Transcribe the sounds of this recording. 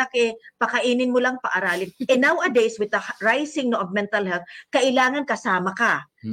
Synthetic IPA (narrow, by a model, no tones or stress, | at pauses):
akʔɛpɐkɐʔiːnɪnmolaŋpɐʔaɾaːlɪnʔɛnawɐd̪ejswɪd̪ɐɹajsɪŋnoʔovmɛnt̪ɐlhɛlt̪̚kɐʔɪlaːŋɐnkɐsaːmɐka